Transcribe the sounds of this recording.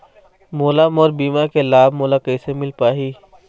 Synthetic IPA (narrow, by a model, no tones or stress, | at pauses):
moːlamɔːɾbiːmakelaːbmoːlakəisemɪlpaːɦiː